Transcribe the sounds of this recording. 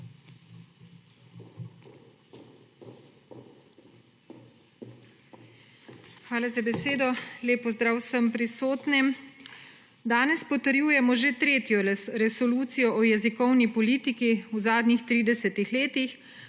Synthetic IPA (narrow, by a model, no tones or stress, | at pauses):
xʋaːlazabɛseːd̪ɔleːpɔzd̪ɾaːwsəmpɾisoːt̪nɛm | d̪aːnɛspɔt̪əɾjuːjɛmɔʒet̪ɾeːt̪jɔɾɛsɔluːt̪sijɔʔɔjɛzikɔwnipɔliːt̪ikiwzaːd̪nixt̪ɾiːd̪ɛsɛt̪ixleːt̪ix